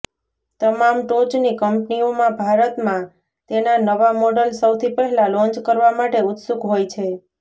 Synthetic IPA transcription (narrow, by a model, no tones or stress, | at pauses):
t̪əmamʈot͡ʃnikəmpniomãbʱaɾət̪mã | t̪enanəʋamɔɖəlsəwt̪ʰipɛɦɛlalɔ̃nt͡ʃkəɾʋamaʈeʊt̪sukɦojt͡ʃʰe